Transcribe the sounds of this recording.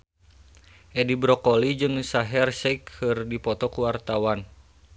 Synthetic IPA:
ʔɛdibɾɔkɔlid͡ʒɨŋsaɦɛrsɛkhɨrdipɔt̪ɔkuwart̪awan

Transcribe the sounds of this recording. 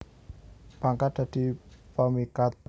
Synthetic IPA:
b̥aŋkad̥a̤d̥i̤pəmikat̪

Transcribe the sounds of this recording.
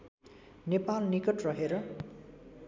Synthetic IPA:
nepalnikʌʈrʌɦeɾʌ

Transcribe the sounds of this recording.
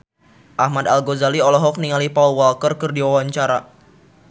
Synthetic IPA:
ʔahmadalɡozaliɔlɔɦɔk̚niŋalipaulwalkərkɨrdiwawaɲt͡ʃaɾa

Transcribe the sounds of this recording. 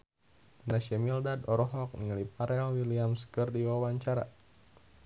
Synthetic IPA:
naʃamildadɔɾɔɦɔk̚niŋalipaɾɛlwiliamskərdiwawaɲt͡ʃaɾa̰

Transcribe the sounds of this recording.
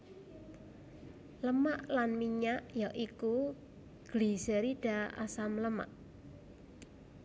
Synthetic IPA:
ləmaʔlanmiɲaʔjaʔiku | ɡ̥lisəɾiɖ̥aa̰samləma̰ʔ

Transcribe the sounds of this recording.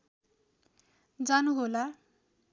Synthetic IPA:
d͡zanuɦola

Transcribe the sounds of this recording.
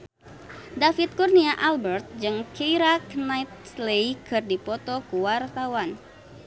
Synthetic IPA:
dafit̪̚kurniaʔalbərt̪̚d͡ʒɨŋkʰijɾaknajt̪̚slekɨrdipɔt̪ɔkuwart̪awan

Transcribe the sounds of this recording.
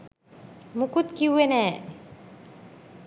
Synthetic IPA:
mukut̪̚kiwenɛ

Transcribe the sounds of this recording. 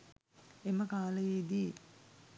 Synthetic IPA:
eməkaːləjed̪i

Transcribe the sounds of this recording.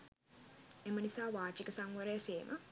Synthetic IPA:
emənisaːʋaːt͡ʃikəsaŋʋəɾejseːmʔə

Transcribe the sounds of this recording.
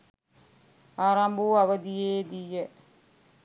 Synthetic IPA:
aːɾɐmbuɐʋəd̪ijeːd̪ijə

